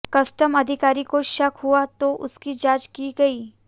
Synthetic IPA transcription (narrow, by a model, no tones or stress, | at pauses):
kɐsʈəmɐd̪ʱɪkaːɾikoʃɐkɦuat̪oʔʊskid͡ʒaːt͡ʃkiɡɐiː